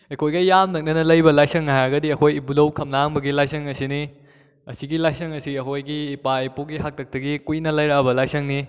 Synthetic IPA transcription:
ekʰojɡɐjamnɐk̚nɐnɐlɐjbɐlajsɐŋajɐɡɐdiɐkʰojibulɐwkʰɐmnaŋbɐɡilajsɐŋɐsini | ɐsiɡilajsɐŋɐsiɐkʰojɡiːpaipokɡiɦak̚tʰɐk̚tɐɡikujnɐlɐjɾabɐlajsɐŋni

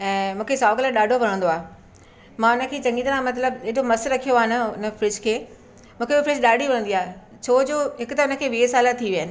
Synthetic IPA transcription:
ɛ̃ːmũːkʰesaːʋklaɗaːɖʱoʋɐɾ̃ə̃n̆d̪oaː | mãːʊnə̆kʰeːt͡ɕɐ̃ŋɡĩd̪ɾãmɐt̪ləb̚d͡ʑeɦɪɗomɐsɾɐkʰijoaːɦɪnɐʊnə̆fɾɪd͡ʑkʰeː | mũːkʰebifɾɪd͡ʑɗaːɖʱiʋɐɽ̃ə̃nd̪iaːɦ | t͡ɕʰoːd͡ʑoːɦɪkʊt̪ɐʊnə̆kʰeːʋiːesaːlat̪ʰiʋijaːɪnɪ̆

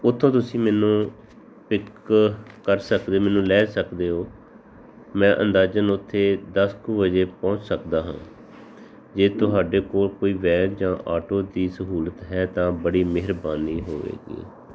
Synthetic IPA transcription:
ʊt̪ʰːõːt̪̬ʊsĩːmɛːnũː | pɪk | kəɾsəkd̪eːmɛːnũːlɛːsəkd̪eːɦoː | mɛ̃ːʔə̰̃nd̪aːd͡ʒənʊt̪ʰːeːd̪əskoːbəd͡ʒeːpɔ̃ːt͡ʃsəkd̪aːɦã̰ː | d͡ʒeːt̪ʊɦaːɖeːkoːlkoːiːʋɛːld͡ʒãːʔaːʈoːd̪iːsəɦuːlət̪ɦɛːt̪ãːbəɽiːmeɦəɾbaːniːɦoːʋḛːɡḭː

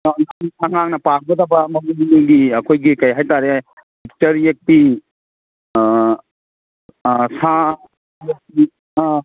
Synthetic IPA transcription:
anaaŋaŋnɐpak̚ɡɐdabɐmɐmumuniɡiɐkʰojɡikɐjɦajtaɾe | bik̚tɐɾiek̚pi | sa | bi

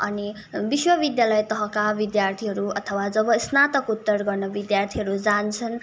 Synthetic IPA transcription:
ʌ̰ni | biswʌbid̪jalʌjt̪ʌɦʌkabid̪jart̪ʰiɦʌɾuʌt̪ʰʌwad͡zʌbʌsnat̪ʌkut̪ːʌrɡʌrnʌbid̪jart̪ʰiɦʌɾud͡zant͡sʰʌn

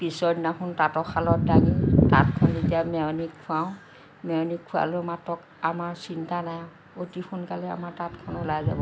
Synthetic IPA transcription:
pisɔdnaxuntatɔxʰalɔt̚daɡita̰tkʰɔnzetiamɛwnikʰːuawʊ̃ | mɛwnikʰːua̰lomatɔk | amaɹsintanajã | otixunkalɛa̰maɹtatkʰɔnɔlajza̰bɔ

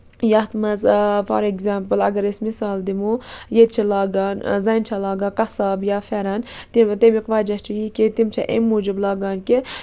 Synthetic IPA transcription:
jɐht̪mɐzfɐ̰ɾeɡzaːmpəlɐ̰ɡɐɾismisaːld̪imujet̪̚t͡ʃʰilɑːɡaːnzɐnt͡ʃʰɐlaːɡakɐsaːbjaːfeɾɐnt̪it̪emiqʋaːd͡ʒɐt͡ʃʰujiːket̪imt͡ʃʰɐʔḛmːuːd͡ʒiblɑːɡaːnke

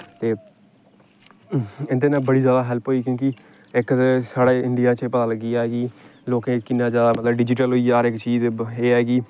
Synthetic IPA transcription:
t̪eː | ɪnd̪eːnãːbəɽiːzjaːd̪aːɦɛlpɦoːiːkjõːkɪ | ɪksaːɽeːɪɳɖijaːt͡ʃpət̪aːləɡːiːɛːɡiːloːkẽːkɪnːãːzjaːd̪aːmət̪ləbɖɪd͡ʒɪʈ̬əlɦoːiːaːɾɪkt͡ʃiːzɦeːɦɛːɡiː

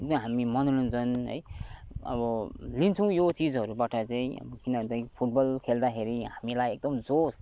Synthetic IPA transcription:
ʌɦamimʌnunũnt͡sʰʌnɦʌ̰j | ʌ̰bʌlint͡sʰʌw̃jot͡sid͡zɦʌɾubaʈʌt͡saĩʌ̰bʌkinʌt̪ʌj̃pʰuʈ̚bʌlkʰeld̪akʰeɾiɦamilajek̚d̪ʌmd͡zos

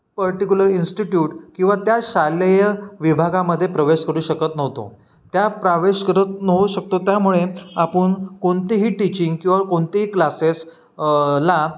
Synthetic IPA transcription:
pəɾʈikʲuləɾinsʈiʈjuːʈkĩw̃ʋat̪jaɕaləjəʋibʱaɡaməd̪ʱːjepɾəʋeɕkəɾuːɕəkət̪nəʋt̪o̰ | t̪japɾaʋeɕkəɾət̪nəɦuɕək̚t̪ot̪jamuɭeapəɳkoɳt̪iɦiːʈit͡ɕiŋɡkĩwʋəɾkoɳt̪iɦiːklases | la

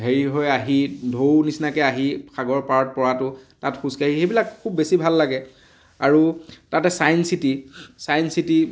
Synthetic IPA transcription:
ɦeɹiɦojaɦidʱownisnakɛaɦixaɡɔɹpaɹɔt̚pɔɹatʊtatxuskaɦixejbilakkʰubːesibʱalːaɡɛ | aɹutatɛsajnsitisajnsiti

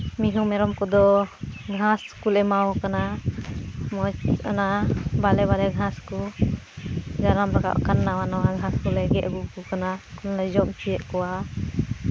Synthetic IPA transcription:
miɦumɛɾɔmkɔd̪ɔɡʱãskulɛmawɔkana | mɔanabalɛβalɛɡʱãsku | d͡ʒaɾambaka̰ʔkanːawanawaɡʱãskulɛɡɛʔ̪ɡukɔkanakulnad͡ʒɔmt͡ʃijɛʔkɔwa

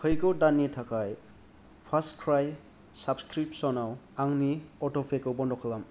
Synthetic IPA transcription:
kʰɯjkɔdanːitʰakaj | pʰaskʰɾaj | sabskɾip̚sɔnawaŋniɔtɔpʰekɯbɔndɔkʰalam

